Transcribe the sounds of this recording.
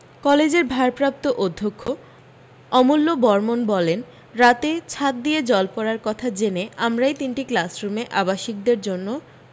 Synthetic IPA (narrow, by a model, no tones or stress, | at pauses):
kɔled͡ʑeɾbʱaɾpɾap̚t̪oʔod̪ʱːokʰːo | ɔmulːobɔɾmonbɔlen | ɾat̪et͡ɕʰat̪̚d̪ijed͡ʑɔlpɔɾaɾkɔt̪ʰad͡ʑeneamɾajt̪inʈiklasɾumeʔabaʃik̚d̪eɾd͡ʑonːo